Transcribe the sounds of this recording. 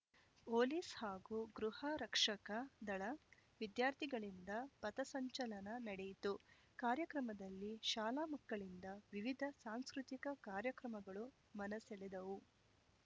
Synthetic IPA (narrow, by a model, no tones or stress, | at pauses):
poːliːshaːɡuɡɾuhɐɾɐkʂɐkɐd̪ɐɭɐʋid̪jaːɾt̪ʰiɡɐɭind̪ɐpɐt̪ɐsɐɲt͡ʃɐlɐnɐnɐɽejit̪u | kaːɾjɐkɾɐmɐd̪ɐlːiʃaːlaːmɐkːɐɭind̪ɐʋiʋid̪ʱɐsaːnskɾut̪ikɐkaːɾjɐkɾɐmɐɡɐɭu | mɐnɐselɛd̪ɐʋu